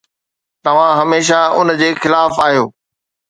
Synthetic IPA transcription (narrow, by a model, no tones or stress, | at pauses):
t̪ɐʋ̤ãɦɐmeːʃ̬aʊnd͡ʑeːxɪlaːfaːɦijoː